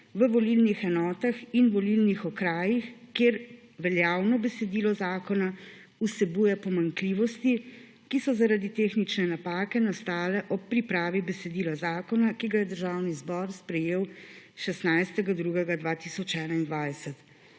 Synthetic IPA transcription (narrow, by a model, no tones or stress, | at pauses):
ʋəʋɔlilnixɛnɔːt̪axinʋɔlilnixɔkɾaːjixkeːɾ | ʋɛljaːwnɔbɛsɛd̪iːlɔzaːkɔna | usɛbujɛpɔmaŋkliːʋɔst̪i | kisɔzaɾad̪it̪exnit͡ʃnɛnapaːkɛnast̪aːlɛʔɔpːɾipɾaːʋibɛsɛd̪iːlɔzaːkɔnakiɡajɛd̪əɾʒaːwnizbɔɾspɾɛjeːwʃɛst̪najst̪ɛɡad̪ɾuɡɛɡad̪ʋaːt̪isɔt͡ʃɛːnaind̪ʋajsɛt̪